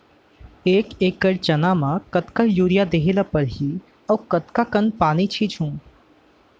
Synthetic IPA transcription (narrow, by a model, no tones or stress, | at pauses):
eːkeːkːəɾt͡ʃɐnaːmãkɐt̪kajuːɾijad̪eːɦeːlapɐɾɦiː | ɐʋkɐt̪kakənpaːnit͡ʃʰit͡ʃʰũː